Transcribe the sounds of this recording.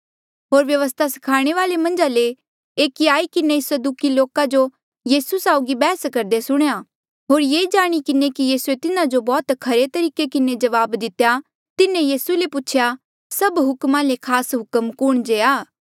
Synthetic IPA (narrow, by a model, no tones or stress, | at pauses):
ɦoːɾʋjɐʋəs̬t̪ʰasɐ̥kʰaːɽ̃eʋaːlemɐ̃nd͡ʒale | eːkiaːikɪnesəd̪uːkiloːkad͡ʒo | jiːsusaːʊɡibɛːskɐɾd̪esʊɽ̃eja | ɦoːɾjeːd͡ʒaːɽ̃ikɪnekijiːsuet̪ɪnad͡ʒobɔːt̪kʰɐɾet̪ɐɾiːkekɪned͡ʒɐʋaːbd̪ɪt̪ːeja | t̪ɪnẽjiːsulepʊːt͡ʃʰja | sɐbɦʊkmãːlekʰaːsɦʊkəmkʊɽ̃d͡ʒeːaː